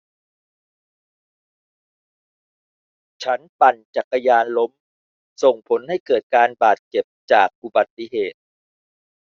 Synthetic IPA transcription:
t͡ɕʰa˦˥npa˨˩nt͡ɕa˨˩kːa˧jaː˧nlo˦˥m | so˨˩ŋpʰo˩˦nha˥˩jkɤː˨˩t̪̚kaː˧nbaː˨˩t̪̚t͡ɕe˨˩p̚t͡ɕaː˨˩k̚ʔu˨˩ba˨˩t̪ːi˧˨ɦeː˨˩t̪̚

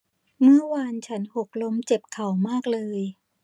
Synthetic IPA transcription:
mɯ˥˩ɐwa˧nt͡ɕʰa˦˥nho˨˩k̚lo˧˥mt͡ɕe˨˩p̚kʰa˨˩˦wmaː˥˩k̚lɤː˧j

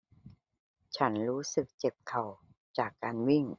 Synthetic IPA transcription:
t͡ɕʰa˦˥nɾuː˦˥sɯ˨˩k̚t͡ɕe˨˩p̚kʰa˨˩w | t͡ɕaː˨˩kːaː˧nwi˥˩ŋ

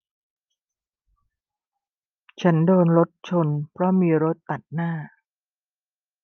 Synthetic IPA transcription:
t͡ɕʰa˦˥ndoː˧nɾo˦˥t̪̚t͡ɕʰo˧npʰɾɔ˦˥miː˧ɾo˦˥t̪ːa˨˩t̪̚naː˥˩

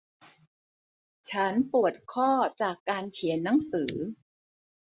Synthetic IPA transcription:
t͡ɕʰa˦˥npu˨˩ət̪̚kʰɔː˥˩t͡ɕaː˨˩kːaː˧nkʰi˨˩˦ə˦nːa˦˥ŋsɯː˩˦

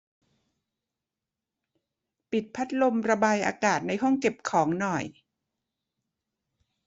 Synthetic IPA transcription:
pi˨˩t̪̚pʰa˦˥t̪̚lo˧mɾa˧baː˧jʔa̰ː˧kaː˨˩t̪̚na˧jɦɔ˥˩ŋke˨˩p̚kʰɔː˩˦ŋnɔ˨˩j

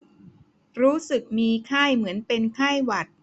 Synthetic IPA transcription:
ɾuː˦˥sɯ˨˩k̚miː˧kʰaː˥˩jmɯ˩˦ənpe˧nkʰa˥˩jwa˨˩t̪̚

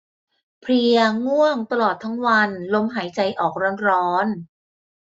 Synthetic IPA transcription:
pʰɾi˧əŋu˥˩əŋt̪a˧lɔː˨˩t̪ʰːa˦˥ŋwa˧nlo˧mɦaː˩˦jt͡ɕa˧jʔɔː˨˩k̚ɾɔː˧˥nɾɔː˦˥n

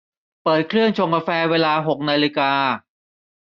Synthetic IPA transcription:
pɤː˨˩t̪̚kʰlɯ˥˩ənt͡ɕʰo˧ŋkaː˧fɛː˧weː˧laː˧ɦo˨˩k̚naː˧li˧kaː˧

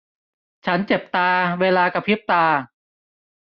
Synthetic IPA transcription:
t͡ɕʰa˦˥nt͡ɕe˨˩p̚t̪aː˧weː˧laː˧ka˧˩pʰi˦˥˩p̚t̪aː˧

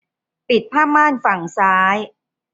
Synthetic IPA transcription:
pi˨˩t̪̚pʰaː˥˩mːaː˥˩nfa˨˩ŋsaː˦˥j

